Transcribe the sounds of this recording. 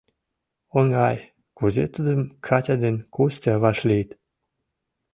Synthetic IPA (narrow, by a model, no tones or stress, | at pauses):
onɡɑj | kuzet̪ud̪əmkʰatʲad̪enʲkʰustʲaβɑʃlit̪